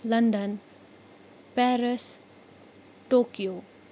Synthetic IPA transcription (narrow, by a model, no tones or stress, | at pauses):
lɐnd̪ən | pɛɾəs | ʈokijo